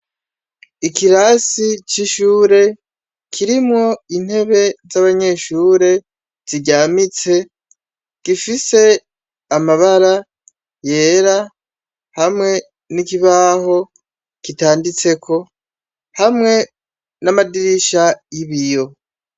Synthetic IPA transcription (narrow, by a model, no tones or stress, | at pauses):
ikiɾasit͡ʃiʃuːɾe̞ | kʰiɾimŋo̞in̥he̞βe̞zaβaɲe̞ʃuːɾe̞ | z̥iɟaːmit͡se̞ | ɡ̥ifise̞ | amaβaɾa | je̞ːɾa | hamŋe̞ | nikiβaɦo̞ | kitaːndit͡se̞kʰo̞ | hamŋe̞ | namadiɾiʃajiβijo̞